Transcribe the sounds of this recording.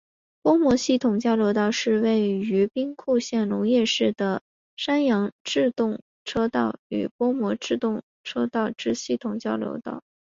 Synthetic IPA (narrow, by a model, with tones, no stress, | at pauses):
pwɔ˥mwɔ˧˥ɕi˥˩t̪ʰʊ˨˩ŋt͡ɕjɑ˥ʊljo˧˥ʊt̪ɑ˥˧ʊʂɻ̩˥˧we˥˩ɪy˧˥pi˥ŋkʰu˥˧ɕjɛ˥˩nlʊ˧˥ŋjɛ˥˧ʂɻ̩˥˩d̪ə˩ | ʂa˥njɑ˧˥ŋʈ͡ʂɻ̩˥˧t̪ʊ˥˩ŋ | ʈ͡ʂʰɤ˥t̪ɑ˥˩ʊy̰˨˩pwɔ˥mwɔ˧˥ʈ͡ʂɻ̩˥˧t̪ʊ˥˩ŋ | ʈ͡ʂʰɤ˥t̪ɑ˥˩ʊʈ͡ʂɻ̩˥ɕi˥˩t̪ʰʊ˨˩ŋt͡ɕjɑ˥ʊljo̰˧˥ʊt̪ɑ̰˥˩ʊ